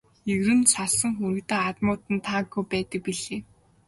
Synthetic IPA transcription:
eɣrɘ̆nsaɮsə̆ŋxuɾɘ̆kt̪aːat̪mʊːt̪ɘ̆nt̪ʰaːɡujpæːt̪ə̆k̚piɮeː

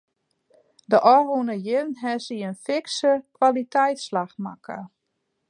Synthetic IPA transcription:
dəʔɔrunəjɪnɦɛsiənfɪksəkwalitʰɛjtslaxma̰kʰə

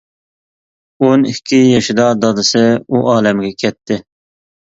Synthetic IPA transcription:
onikʲʰːijɛʃɪd̪ɑd̪ɑd̪ɨsɪuʔɑːlɛmɡʲɛkʲʰɛt̪ʰːɪ

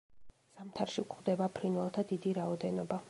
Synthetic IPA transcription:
z̥amt̪ʰaɾʃikʼʰχwd̪ɛbapʰɾinvɛlˠt̪ʰad̪id̪iɾaɔd̪ɛnɔba

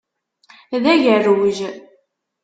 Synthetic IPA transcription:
ðæʝərːwəʒ

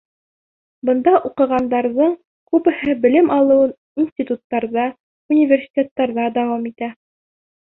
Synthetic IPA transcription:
bɤ̆nd̪ɑʔuqɤ̆ʁɑnd̪ɑɾðɤɴ | kʉpɘ̆hɘbɘ̆lɘmɑlˠɤ̆wɤn | insʲt̪ʲit̪ut̪ːɑɾðɑ | unʲivʲersʲi̥tʲet̪ːɑɾðɑd̪æwɑmit̪æ

